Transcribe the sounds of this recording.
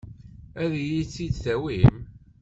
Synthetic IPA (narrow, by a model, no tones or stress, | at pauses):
æðjit͡sːid̪θæwim